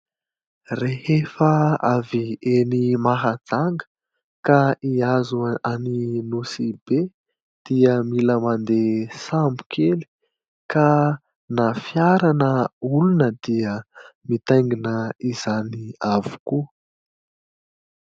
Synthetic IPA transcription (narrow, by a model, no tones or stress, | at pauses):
rehefəavienimaɦad͡zaŋɡə̥ | kaiazuaninusibe | d̪̥iəmiləmand̪esambukʰeli̥ | ka | nafjaɾanəulunəd̪iəmit̪ajŋɡinəiz̥aniavu̥kuə